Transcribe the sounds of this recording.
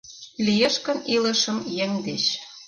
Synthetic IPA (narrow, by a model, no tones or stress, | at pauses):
lijeʃkə̆nilə̆ʃəmjeŋʲd̪et͡ɕ